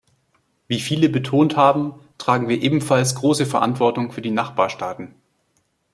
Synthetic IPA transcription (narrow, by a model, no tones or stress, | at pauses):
viːfiːləbətʰoːnthaːbm̩tʁ̥aːɡŋ̩viːɐʔeːbm̩falsɡ̥ʁoːsəfɛɐʔa̰ntv̥ɔɐtʊŋfyːɐdiːnaχb̥aːɐʃtaːtn̩